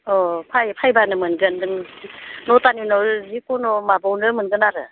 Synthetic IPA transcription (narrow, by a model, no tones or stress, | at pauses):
ɔpʰajpʰajbanɯmɯnɡɯndɯŋnɔtaninɔzikɔnɔmabɔwnɯmɯnɡɯnaɾɯ̰